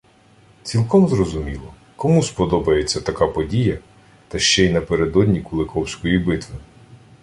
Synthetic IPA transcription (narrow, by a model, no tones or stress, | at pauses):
t͡sʲilˠkɔmzrɔzʊmʲilˠɔ | kɔmuspɔd̪ɔbɐje̞t͡sʲːɐt̪ɐkapɔdʲijɐ | t̪ɐʃt͡ʃɛinɐpeɾed̪ɔdʲnʲikʊlˠekʰɔwsʲkɔjibɪt̪ʋɪ